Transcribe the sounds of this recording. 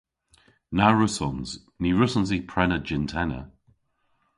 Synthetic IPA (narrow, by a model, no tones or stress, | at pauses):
naɹʊsɔnz | niɹʊsɔnz̬ipʰɹɛnəd͡ʒɪntʰɛnə̰